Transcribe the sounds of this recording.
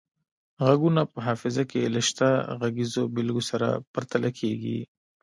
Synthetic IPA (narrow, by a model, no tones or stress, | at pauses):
ɣaɡunapəɦɑːfɪzakelɪʃt̪aɣaɡizobɪlɡosaɾa̰pɐɾt̪alʔakʰeɡḭ